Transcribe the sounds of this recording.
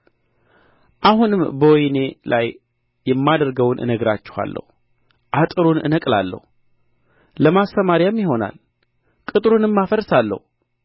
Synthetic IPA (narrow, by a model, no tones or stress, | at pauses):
ʔahunɨmbəwɔjne̞lʔaj | jɛmːad̪əɾɡəwnʔɨ̰nəɡɾat͡ʃːɛ̥ha̰lːə̰hu | ʔat̪ʼɨɾunɨ̰nəkʼla̰lːə̰hu | ləmast̪əmaɾjamjɪɦo̞na̰l | kʼɨt̪ʼɾunɨmːafəɾsalːə̰hu